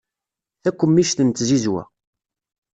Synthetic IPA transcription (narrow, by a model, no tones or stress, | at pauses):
θækʷːəmːiʃθənt̪ːzizwæ̰